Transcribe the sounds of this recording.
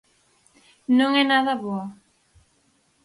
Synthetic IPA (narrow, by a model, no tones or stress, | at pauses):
nõŋɛnaðɐβoɐ